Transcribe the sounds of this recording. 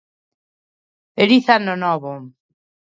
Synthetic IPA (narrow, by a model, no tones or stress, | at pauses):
eɾiθanonɔβo